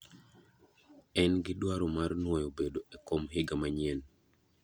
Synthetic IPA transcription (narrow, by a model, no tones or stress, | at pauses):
ɛnɡɪdwaɾomarnwojobedoekomɦɪɡamaɲien